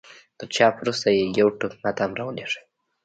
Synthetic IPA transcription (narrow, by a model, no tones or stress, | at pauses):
t̪əɾt͡ʃɑpɾust̪ajejawʈuknat̪amɾɑwəleʂə̥j